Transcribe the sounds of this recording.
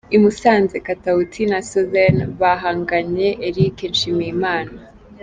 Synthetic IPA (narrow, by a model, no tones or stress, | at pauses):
imusaːnzekatautʰinasozanβaɦaːŋɡaɲe̞ʔeɾikenʃimijimaːna